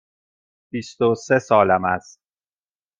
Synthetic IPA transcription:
b̥ist̪osesɒːlæmæst̪̚

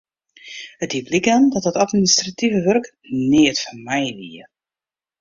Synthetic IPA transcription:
ət̚diblikandɔt̚dətatministrativəʋørk | nɪətfanmɛjʋḭə

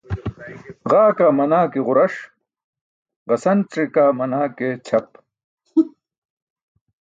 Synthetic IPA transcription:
ʁaːkaːmɐnaːkiʁʊɾɐʂ | ʁɐsɐnʈ͡ʂikaːmɐnaːket͡ɕʰɐp̚

